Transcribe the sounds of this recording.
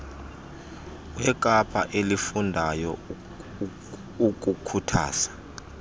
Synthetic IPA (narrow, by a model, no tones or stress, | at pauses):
wɛk̬ʼapʰaʔelifundʱajɔ | uk̬ʼukʰutʰa̰ːsḁ